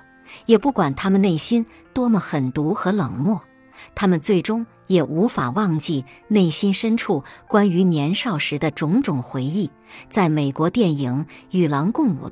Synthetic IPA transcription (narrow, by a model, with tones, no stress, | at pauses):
jɛ˨˩pu˥˩kwa˨˩nt̪ʰa˥mə˨nne˥˩ɪɕi˥n | t̪wɔ˥mə˨xə˨˩nt̪u˧˥xɤ˧˥lɤ˨˩ŋmwɔ˥˩ | t̪ʰa˥mə˨nt͡swe˥˩ɪʈ͡ʂʊ˥ŋ | jɛ˨˩ʔu˧˥fa̰˨˩wɑ˥˧ŋt͡ɕi˥˧ne˥˩ɪɕi˥nʂə˥nʈ͡ʂʰu˥˩kwa˥ny˧˥njɛ˧˥nʂɑ˥˩ʊʂɻ̩˧˥d̪ə˧ʈ͡ʂʊ˧˥ŋʈ͡ʂʊ˨˩ŋxwe˧˥ɪi˥˩ | t͡sa˥˩ɪme˨˩ɪkwɔ˧˥t̪jɛ˥˩ni˧˥ŋy˨˩lɑ˧˥ŋkʊ˥˩ŋṵ˨˩